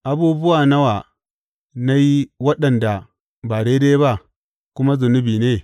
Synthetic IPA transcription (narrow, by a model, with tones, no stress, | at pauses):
ʔa˨buː˦bʊ˦wa˨na˦wa˨ | na˦ji˦wɐ˦ɗɐ˨nda˨ | ba˨ɽeː˦de˦jba˦ | kʷʊ˦ma˦zʊ˨nʊ˦biː˨ne˦